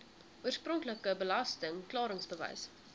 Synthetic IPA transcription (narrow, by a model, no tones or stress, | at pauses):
ʔuərsprɔŋkləkəbəlɐstəŋklɑːɾəŋsbəvɛ̰js